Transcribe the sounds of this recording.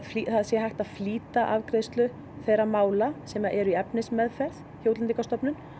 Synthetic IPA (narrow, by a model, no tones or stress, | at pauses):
fliθaðsjɛɦajht̪aðfliːt̪aʔavkɾɪjst̪lʏ | θejɾamaːwlasɛmaʔɛɾʏiɛpnɪsmɛðfɛɾð̥ | çjowt̪lɛnikast̪ɔpnʏn